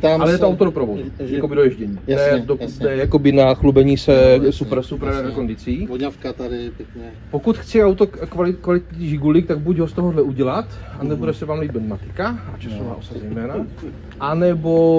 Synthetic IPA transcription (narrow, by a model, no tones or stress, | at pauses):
t̪aalɛjɛt̪oawt̪odopɾavodujakobɪdojɛʒɟɛɲiːjanɛdod̪ɛjakobɪnaxlubɛɲiːsɛsupɾsupɾɾɛɾɛkondɪt͡siːvoɲafkat̪adɪpjɛkɲɛ | pokut̪xt͡sɪawt̪okvalɪkvalɪt̪̚ɲiːʒɪɡulik̚t̪aɡ̚buɟɦost̪oɦoɦlɛuɟɛlat̪anɛbudɛsɛvaːmliːb̪̚bt̪mat̪ɪ̥kaat͡ʃasova̰ːʔosad̪zɛjmɛːna | ʔanɛbo